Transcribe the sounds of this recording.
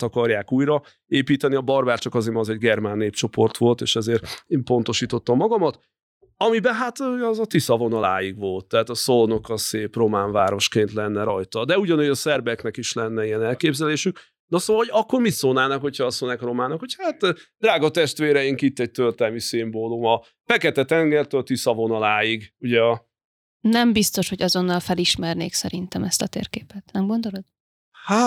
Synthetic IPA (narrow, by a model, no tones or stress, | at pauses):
t̪ɒkɒrjaːkuːjɾɒ | eːpiːt̪ɛniɒbɒrbaːt͡ʃɒkɒzemɒzɛɟɡɛrmanːeːpt͡ʃo̞po̞rt̪ʋo̞lt̪eːʃɛzeːreːmpo̞nt̪o̞ʃiːt̪o̞t̪ːɒmːɒɡɒmɒt̪ | ɒmibɛɦat̪ɒzɒt̪isɒvo̞nɒla̰ːjiɡʋo̞lt̪ːɛɦaːt̪ɒsolono̞kːɒlseːpro̞maːɱvaːɾo̞ʃkeːnt̪lɛnːɛɾɒjt̪ɒd̪ɛuɟɒnuːjɒsɛrbɛknɛkiʃlɛnːɛijɛnɛlkeːbzɛleːʃyk̚ | nɒsoːʋɒlhoɟɒkːo̞rmit̪soːnaːnɒkhocʰhɒːsonɛkro̞maːnɒkho̞chaːt̪ːd̪raːɡɒt̪ɛʃt̪ʋeːɾɛjiŋkit̪ːɛɟ̚t̪ølt̪ɛlmisimboːlumɒ | fɛkɛt̪ɛt̪ɛŋɡɛrt̪ølt̪isɒvo̞nɒlaːjiɡuɟɛɒ | nɛmbist̪o̞ʃho̞ɟɒzo̞nːɒlfɛliʃmɛrnḛːksɛɾint̪ɛmɛst̪ɒt̪ḛːrkeːpɛt̪nɛmɡo̞nd̪olo̞d̪̥ | ha